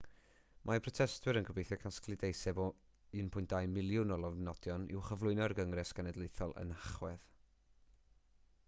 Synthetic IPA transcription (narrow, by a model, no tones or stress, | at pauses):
mʔapʰrɔtʰɛstʰwɨɾənɡəbejθjɔkʰasklˠɨdejsɛbɔ | ɨnpʰʊjntd̥ajmɪlˠjʊnɔlˠɔvnɔdjɔnɪ̰wχəvlˠʊɨnɔrɡəŋrɛsɡ̥anɛdlˠejθɔlˠə̰naχwɛð